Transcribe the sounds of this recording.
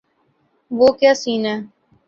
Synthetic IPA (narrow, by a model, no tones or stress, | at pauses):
ʋoːkjaːsiːnɛː